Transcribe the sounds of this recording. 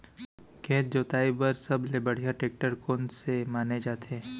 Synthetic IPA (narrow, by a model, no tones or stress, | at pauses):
kẽːt̪̚d͡ʒoːt̪aːibəɾsɐblebəɽ̤ijaʈeːk̚ʈəɾkoːnsemaːned͡ʒaːt̪eː